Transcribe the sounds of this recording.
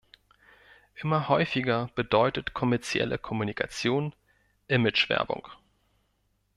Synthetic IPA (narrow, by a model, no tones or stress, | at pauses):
ʔɪmɐhɔʏfɪɡɐb̥ədɔʏtətkʰɔmɛɐt͡sjɛ̰lʔə̰kʰɔmunikʰat͡sjoːn | ʔɪmɪt͡ʃv̥ɛ̰ɐbʊ̰ŋ